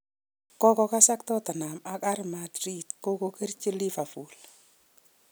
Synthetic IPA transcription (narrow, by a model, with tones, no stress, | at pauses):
kɔ˦kɔ˧ka˦sa˦k̚tɔ˦ta˨na˨ma˨ka˦ɾmadɾitko˦ko˦ke˦rt͡ʃi˦li˦fa˨fu˨l